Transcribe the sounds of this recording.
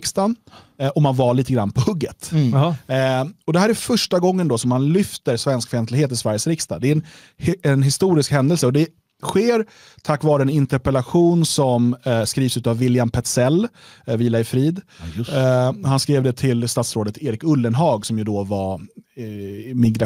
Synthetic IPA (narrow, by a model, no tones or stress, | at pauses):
kst̪an | ɔmːanvaɭiːt̪əɡɾanːpʰɔhɵɡːət̪ | ɔd̪ɛɦæːɾæfœʂʈaɡɔŋːənd̪ɔsɔmːanlʏft̪əɾsvɛnskfœɾɛnt̪lɡheːt̪ɪsvæɾjəsɾɪkst̪ad̪ɛɾɛn | ɛnɦɪst̪uːɾɪskhɛnd̪əlsəɔd̪ɛ | ɧeːɾ | t̪ʰakːvɑːɾəɛnɪnt̪ɛɾpɛlaɧuːnsɔmskɾiːvsʉ̟ːt̪avːɪljampʰɛt̪sɛlːviːlaɪfɾiːd̪ | hanskɾeːvd̪ɛt̪ʰɪlst̪at̪sɾoːd̪ət̪ʰeːɾɪkɵlːənɦɑːɡsɔmjɵd̪ɔva | mɪɡɾa